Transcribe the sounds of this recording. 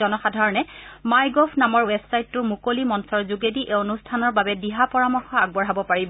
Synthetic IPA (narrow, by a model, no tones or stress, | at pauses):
ɔnɔxadʱaɹɔnɛmajɡɔfʰnamɔɹwɛbsajtːʊmukolimɔnsɔɹzuɡediʔeonustʰanɔɹbabɛdiɦapɔɹamɔɹxɔaɡ̚bɔɹɦabɔpaɹibɔ